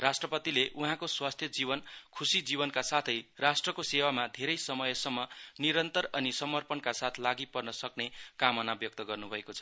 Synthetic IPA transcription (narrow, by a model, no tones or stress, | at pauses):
rasʈrʌpʌt̪ileʔuɦãkoswast̪ʰjʌd͡ziβʌnkʰusid͡zibʌnkasat̪ʰʌjrasʈrʌkosewamad̪ʱeɾʌjsʌmʌjʌsʌmːʌniɾʌnt̪ʌɾʌnisʌmʌrpʌnkasat̪ʰlaɡipʌrnʌsʌknekamʌnabjʌk̚t̪ʌɡʌrnubʱʌekot͡sʰʌ̥